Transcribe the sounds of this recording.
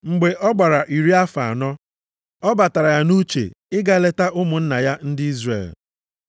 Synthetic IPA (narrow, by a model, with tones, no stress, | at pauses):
ŋ͡m̩˨ɡ͡be˨ʔɔ˦ɡ͡ba˨ɾa˨ʔi˨ɾi˦a˦fa̰˨a̰˨nɔ˦ | ɔ˦ba˨ta˨ɾa˨ja˦nu˦t͡ʃḛ˨ɪ˦ɡa˦le˦ta˦ʔʊ˦mʊ˨n̩˦na˨ja˦n̩˦dɪ˦i˦zrḛ˨l